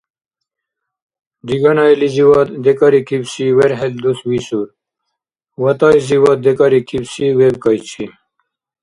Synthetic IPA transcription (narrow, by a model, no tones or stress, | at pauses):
diɡɐnajliziwɐt̪d̪ekaɾikʰibsiweɾɦeld̪uswisuɾ | wɐt̪ɑiziwɐt̪̚d̪ekaɾikʰibsiwebkajt͡ɕʰi